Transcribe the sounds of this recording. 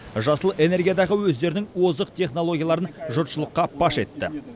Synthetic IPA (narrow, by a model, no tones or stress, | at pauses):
ʒɑsəlˠʔe̞ne̞ɾɡʲijad̪ɑʁəwɵzd̪e̞ɾɪnɪŋwo̞zəqt̪ʰʲe̞χno̞lˠo̞ɡʲijalˠɑɾənʒʊɾt̪ʃəlˠəqːɑbʰɑʃe̞t̪ːɪ̰